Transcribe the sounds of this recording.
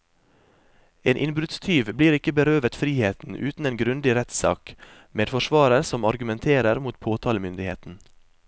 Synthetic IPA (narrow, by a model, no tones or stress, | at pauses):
eːnʔɪnbɾʉt̪st̪ʰyːʋbliːɾɪkəbəɾøːʋət̪fɾiːheːt̪n̩ʔʉ̰ːt̪n̩eːnɡɾʉnd̪ɪɾɛt̪sɑ̰ːk | meːd̪fɔʃʋɑːɾəɾsɔmɑɾɡʉmɛnt̪ʰeːɾəɾmuːt̪pʰoːt̪ʰɑːləmʏnd̪ɪhḛːt̪n̩